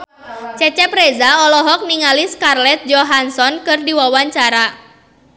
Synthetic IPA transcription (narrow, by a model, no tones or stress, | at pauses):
t͡ʃɛt͡ʃɛpɾezaɔlɔɦɔk̚niŋaliskarlɛt̪̚d͡ʒɔɦansɔnkɨrdiwawaɲt͡ʃaɾa